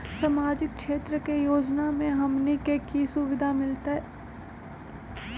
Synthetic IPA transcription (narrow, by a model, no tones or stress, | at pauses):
samaːd͡ʒɪkkʃeːt̪ɾəkejoːd͡ʒnamẽɦɐmnikekisʊʋɪd̪ʱamɪlt̪aɦɛ